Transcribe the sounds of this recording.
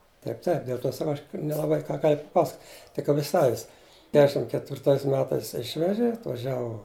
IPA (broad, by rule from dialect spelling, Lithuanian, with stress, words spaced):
ˈtɐɪp tɐɪp dʲeːlˠ ˈtʲoː sɐˈkɐʊ ɐʃ nʲɛlˠɐˈbɐɪ kɑː ɡɐlʲ pɐˈpɑːsɐk tʲɪk ˈɑːpʲɪ ˈsɑːʋʲɪs ˈkʲæːʃʲɪm kʲɛtʲʋʲɪrˈtɐɪs ˈmʲæːtɐɪs ˈɪʃʲʋʲɛʒʲɪ ɐtʋɐˈʒʲæːʋʊ